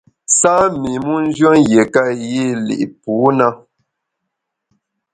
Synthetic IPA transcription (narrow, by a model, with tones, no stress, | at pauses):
sa˦mi˨mu˦n̩˦d͡ʒɥə˦ŋje˨ka˦˨ji˦˨lḭ˨ʔpu˨˦na˦